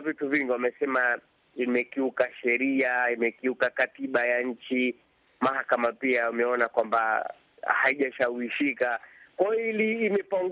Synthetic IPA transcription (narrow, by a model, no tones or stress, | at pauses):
vituviŋɡiwamɛsɛma | imɛkiukaʃɛɾiaimɛkiukakatiɓajaɲ̩t͡ʃi | mahakamapiaumɛɔnakwamba̰ | haiʄaʃauiʃikakwaɔiliːmɛpaŋɡ